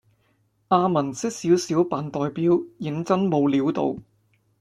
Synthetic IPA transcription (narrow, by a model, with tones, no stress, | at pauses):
ʔaː˧mɐ˨˩nsɪ˥k̚siː˨˥wsiː˨˥wpaː˨˩nt̪ɔː˨jpiː˥wjɪ˨˥ŋt͡sɐ˥nmo˨˧wliː˨˥wt̪o̰˨˧w